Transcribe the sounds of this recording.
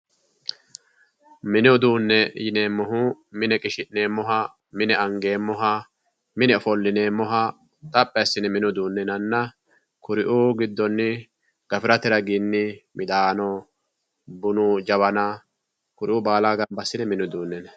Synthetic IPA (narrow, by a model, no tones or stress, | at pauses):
mɪnɪɔd̪uːnːɛjɪneːmːɔɦu | mɪnɛkʼɪʃɪʔːeːmːɔɦɐ | mɪnɛɐŋɡe̞ːmːɔɦɐ | mɪnɛfɔlːɪne̞ːmɔɦɐ | t̪ʼɐpʼːɛjɐsːɪnɛmɪnʊd̪uːnːɛnɐnːɐ | kʊɾɪʔuːɡɪd̪ːɔnːɪ | ɡ̥ɐfɪɾɐt̪ɪɾɐɡɪnːɪmɪd̪aːnɔ | bʊnud͡ʒɐβɐnɐ | kʊɾɪʔʊbaːlaːɡɐmbɐsːɪnɛmɪnʊd̪uːnːɛnɛ